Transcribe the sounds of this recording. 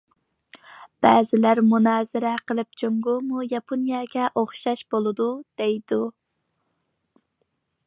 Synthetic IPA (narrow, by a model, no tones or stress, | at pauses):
b̥ɛːzɪlæɾmunɑːzɨɾɛqʰəlˠɨp̚t͡ʃʰoŋɡumujɑpʰonijɑɡʲɛʔoχʃɑʃb̥olˠɨd̪ud̪̥ejd̪u